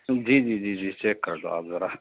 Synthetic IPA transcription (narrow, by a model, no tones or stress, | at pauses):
d͡ʒiːd͡ʒid͡ʒiːd͡ʒiːt͡ʃeːkkːəɾd̪o̰a̰ːpzɐɾa